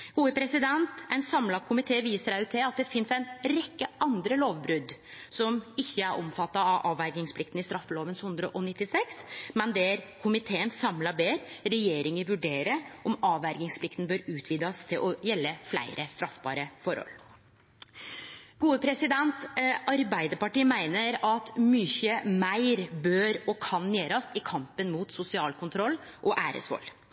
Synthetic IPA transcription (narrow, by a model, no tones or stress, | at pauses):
ɡ̥uːəpʰɾɛsɪd̪ɛnt̪æɪnsɑmlɑkʰʊmɪt̪ʰeːʋiːsəɾæʉt̪ʰɪlɑt̪̚d̪ɛfɪnsæɪnɾɛkːəʔɑnd̪ɾəloːʋbɾʉd̪sɔmɪçːəæɾʔɔ̰mfɑt̪ːɑɑʔɑːʋæɾɡɪŋspʰlɪk̚t̪n̩ɪst̪ɾɑfːəloːʋənshʉnd̪ɾəʔɔnɪt̪ːɪsɛksmɛnd̪ɛæɾkʰʊmɪt̪ʰeːənsɑmlɑbeːɾɾɛjeːɾɪŋəʋʉɖeːɾəʔɔmɑːʋæɾɡɪŋspʰlɪkt̪n̩bøːɾʉːt̪ʰʋiːd̪ɑst̪ʰɪlʔɔjɛlːəflæ̰ɪɾəst̪ɾɑfbɑ̰ːɾəfɔɾhɔ̰l | ɡ̥uːəpʰɾɛsɪd̪ɛnt̪ʔɑɾbæɪd̪əpɑʈiːmæɪnəɾɑt̪myːçəmæɪɾbøːɾɔkʰɑnːjeːɾɑsɪkʰɑmpənmuːt̪sʊsɪɑːlkʰʊnt̪ʰɾɔlːʔɔʔæːɾə̰sʋɔ̰lː